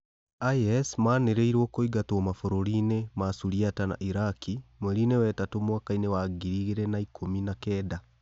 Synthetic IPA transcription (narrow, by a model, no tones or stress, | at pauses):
ajɛsmaːneɾeiɾwɔkoiɡatomafoɾoɾinemasuɾiatana̰ʔiɾakimwɛɾinewɛtatomwakainewaːɡiɾiɣeɾɛnaikʰominakɛːda